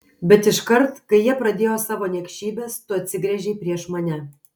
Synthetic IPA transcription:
bʲɛt̪ɪʃkɐɾt̪kɐɪjiɛpɾɐd̪ʲeːjoːsɑːʋoːnʲɛkʃʲiːbʲeːst̪ʊɐt̪ʲsʲɪɡɾʲɛʒʲɛɪpʲɾʲiɛʃmɐnʲɛ

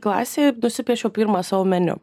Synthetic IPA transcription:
klˠɑ̰ːsʲeːnʊsʲɪpʲiɛʃopʲiɾmaːsɐʋʊmʲɛnʲʊ̰

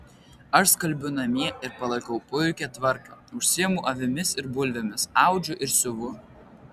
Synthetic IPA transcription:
ɐʃskɐlʲbʲʊnɐmʲiɛɪɾpɐlˠɐkɐʊpʊʊkʲɛt̪ʋɐɾkɐːˑʊʃʲsʲiɛmʊʔɐʋʲɪmʲɪsɪɾbʊlʲʋʲɛmʲɪsɑˑʊd͡ʒʲʊʔɪɾsʲʊʋʊ

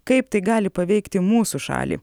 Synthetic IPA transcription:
kɐɪpt̪ɐɪɡɑːlʲɪpɐʋʲɛɪkt̪ʲɪmuːsuʃɑ̰ːlʲḭː

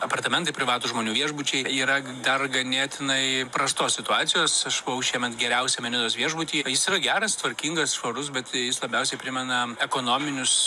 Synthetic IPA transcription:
ɐpɐrt̪ɐmʲɛnt̪ɐɪpʲɾʲɪʋɑːt̪uːʒmoːnʲuːʋʲiɛʒbʊt͡ʃʲɛɪiːɾɐ | d̪ɐrɡɐnʲeːt̪ʲɪnɐɪpɾɐst̪oːsʲsʲɪt̪ʊɑːt͡ssʲɪjoːsɐʃɐʊʃʲiɛmʲɛt̪ɡʲɛɾʲɛʊsʲɛmʲɛnʲɪd̪oːsʋʲiɛʒbʊt̪ʲiːjɪsiːɾɐɡʲæːɾɐst̪ʋɐɾʲkʲiːŋɡɐsʃʋɐɾʊsbʲɛt̪jɪslˠɐbʲɛʊsʲɛɪpʲɾʲɪmʲɛnɐɛkoːnoːmʲɪnʲʊs

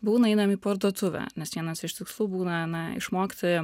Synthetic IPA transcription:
buːnɐɛɪd̪ɐmʲiːpɐɾd̪uɔt̪ʊʋʲæ̰nʲɛsʋʲiɛnɐsɪʃt̪ʲɪkslˠuːbuːnɐnɐɪ̰ʃmoːkʲt̪ɪ

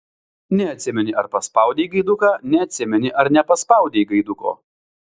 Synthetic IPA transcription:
nʲɛɐt̪ʲsʲɪmʲɛnʲɪʔɐɾpɐspɐʊd̪ʲeɪɡɐɪd̪ʊkaːnʲɛɐt̪ʲsʲɪmʲɛnʲɪʔɐɾnʲɛpɐspɐˑʊd̪ʲeɪɡɐɪd̪ʊko̰ː

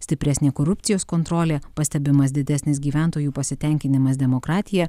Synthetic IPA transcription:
sʲt̪ʲɪpʲɾʲæsʲnʲeːkoːɾʊpʲt̪sʲɪjoːskoːnt̪ɾoːlʲeːpɐsʲt̪ʲɛbʲɪmɐsd̪ʲɪd̪ʲɛsʲnʲɪsɡʲiːʋʲæˑnˑt̪oːjuːpɐsʲɪt̪ʲɛŋʲkʲɪnʲɪmɐsd̪ʲɛmokɾɑːt̪ʲɪjɛ

